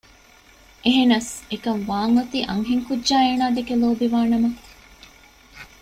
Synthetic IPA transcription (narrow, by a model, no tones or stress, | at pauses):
ʔeɦenɐsekɐmʋaːŋɐt̪iːʔɐŋɦiŋkudːʒaːeːnaːɖ̪ekeloːbiʋaːnɐmɐ